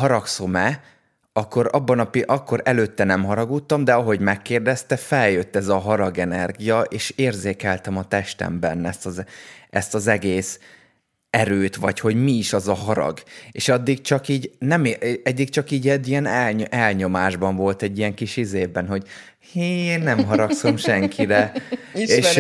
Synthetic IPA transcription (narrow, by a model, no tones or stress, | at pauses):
ɦɒɾɒksomɛ | ɒkːo̞ɾɒbːɒnɒpiʔɒkːo̞ɾɛløːt̪ːɛnɛmɦɒɾɒɡuːt̪ːɒmd̪ɛɒɦo̞ɟmɛkːeːrd̪ɛst̪ɛfɛljø̞t̪ːɛzɒɦɒɾɒɡɛnɛrɡijɒʔeːʃeːrzeːkɛlt̪ɛmɒt̪ɛʃt̪ɛ̰mbɛnːɛst̪ɒzʔɛst̪ɒzɛɡeːs | ɛɾøːt̪ʋɒcho̞ɟmiːʃɒzɒɦɒɾɒ̰ɡeːʃɒd̪ːiɡt͡ʃɒkiːɟnɛmɛd̪ːikt͡ʃɒkiːɟɛdijɛnɛlɛlɲo̞maːʒbɒɱvo̞lt̪ɛɟːijɛŋkiʃizeːbɛnɦo̞ɟ | henːɛmɦɒɾɒkso̞mʃɛŋkʰiɾɛ | eːʃ